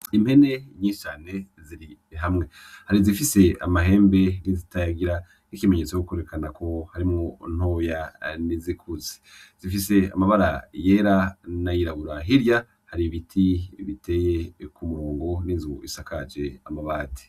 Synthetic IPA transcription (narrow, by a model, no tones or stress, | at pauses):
im̥he̞ne̞ɲiːʃt͡ʃaːne̞ | ziɾiɦamŋe̞haɾizifise̞amaɦe̞ːmbe̞nizitajaɡiɾa | nikimeɲe̞t͡sojokeɾekanako̞haɾimŋon̥o̞ːjanizikʰuze̥ | z̥ifise̞a̰maβaɾa̰je̞ːɾanajiɾaβuɾaɦiɾja | haɾiβitʰiβitʰe̞ːje̞kumuːŋɡoninzuuisakʰad͡ʒe̞amaβaːti̥